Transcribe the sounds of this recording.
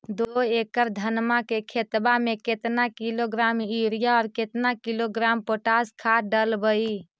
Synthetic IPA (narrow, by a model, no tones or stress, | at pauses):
d̪oeːkəɾd̪ʱənmakekʰet̪bamẽket̪nakiloɡɾaːmiɾijaɔːɾket̪nakiloɡɾaːmpoːʈaskʰaɖəlbəi